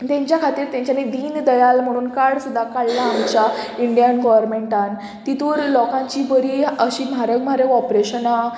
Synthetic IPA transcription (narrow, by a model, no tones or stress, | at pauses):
t̪jãɲt͡ɕjakʰat̪iːɾt̪jãɲt͡ɕaned̪iːnd̪əjalm̤əɽ̃uːnkaɽsud̪ʱakaɭːaːmt͡ɕaiɳɖijənɡɔʋəɾmeɳʈan | t̪it̪uɾlɔkãɲt͡ɕibəɾiəɕimaɾəkmaɾeɔpɾeɕəna